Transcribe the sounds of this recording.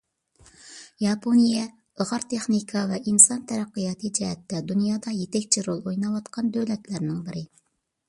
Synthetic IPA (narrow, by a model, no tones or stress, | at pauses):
jɑpʰonijɛ | əʁɑɾt̪ʰeχnikʰɑvɛʔinsɑnt̪ʰɛɾæqːɨjɑt̪ʰɨd͡ʒɛɦɛt̪ːɛd̪unjɑːd̪ɑjet̪ɛkʲt͡ʃʰiɾolˠojnɑwɑt̪qʰɑnd̪øwlɛt̪læɾnɪŋbɪɾɪ